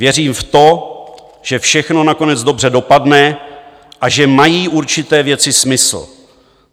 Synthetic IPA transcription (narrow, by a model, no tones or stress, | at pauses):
vjɛriːmft̪o̞ | ʒ̥ɛfʃɛxno̞nako̞nɛd͡zdo̞br̝ɛdo̞padnɛ | ʔaʒɛmajiːʔuɾt͡ʃɪt̪ɛːvjɛt͡sɪsmɪsl̩